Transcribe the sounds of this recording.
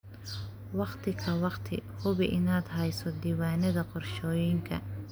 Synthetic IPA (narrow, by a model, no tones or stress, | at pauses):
wɑqt̪ʰɪkʰɐwɑqt̪ʰɪ̰hʊβɪʔɪnaːd̪ɦɛjsɔd̪iwaːnɐðɐqɔrʃɔːjɪŋkʰɐ̰